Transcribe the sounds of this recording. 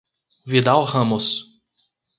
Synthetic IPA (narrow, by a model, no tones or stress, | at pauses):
vid̪awhɐ̃mʊs